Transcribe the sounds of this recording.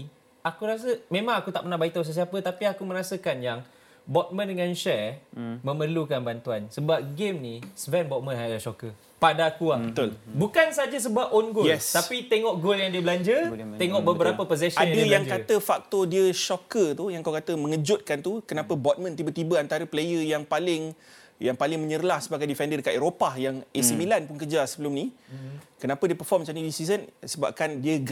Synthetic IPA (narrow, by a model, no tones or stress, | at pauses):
akuɾas̬əmẽmãŋakut̪aʔ̚pənahbait̪aws̬əs̬iapət̪apiakumə̃ɾasəkanjaŋ | bɔt̪̚mə̃ndəŋanʃɛmə̃mərlukanbant̪uansəbap̚ɡemnisvɛnbɔt̚mə̃nɦaaʃɔkə | padakuabət̪ulbukansad͡ʒas̬əbap̚ɔnɡʊjlɛst̪apit̪eŋɔʔɡoljaŋdiəbəlaɲd͡ʒət̪eŋɔʔbəbəɾapəpoz̬ɛsadaəjaŋkat̪əfak̚t̪odiəʃɔkət̪ujãŋkawkat̪əmə̃ŋəd͡ʒʊt̪̚kant̪ukənapəbɔʔt̪̚mə̃nt̪ibət̪ibəant̪aɾəplejəjaŋpalɪŋ | jaŋpalɪŋmə̃ɲəɾəlahsəbap̚kandifɛndədəkat̪eɾopahjaŋesimilanpʊnkəd͡ʒasəbəlʊmni | kənapədiəpərfɔrmt͡ʃanidisisənsəba̰p̚kandiəɡ